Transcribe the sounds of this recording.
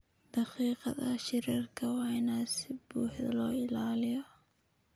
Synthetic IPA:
d̪̥ɑqiːqɑ̰ðɐʃɪɾiːrkʰɐwɑːnasɪbuːħðɐ̰lɔːɪlaːlɪjɔ

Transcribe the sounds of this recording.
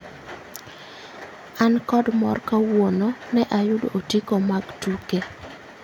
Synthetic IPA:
ankɔdmɔ̰rkawonɔnɛʔajʊdo̰ʔotikomaɡtuke

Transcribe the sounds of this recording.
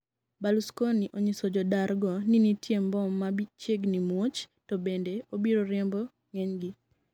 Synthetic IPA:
baluskoniʔoɲisɔd͡ʒɔdarɡɔninitjembɔmabit͡ʃeɡnimwot͡ʃtɔbendeobiɾoɾɛmbɔ | ŋeɲɡɪ

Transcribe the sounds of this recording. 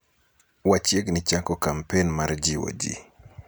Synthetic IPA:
wat͡ʃɛɡnit͡ʃakɔkampɛnmaɾd͡ʒiwɔ̰d͡ʒḭ

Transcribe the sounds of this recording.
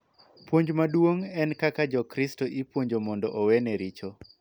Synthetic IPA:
pwoɲd͡ʒmadwoŋɛnkakad͡ʒɔkɾistoʔipwoɲd͡ʒomɔndɔʔowɛnɛɾit͡ʃo

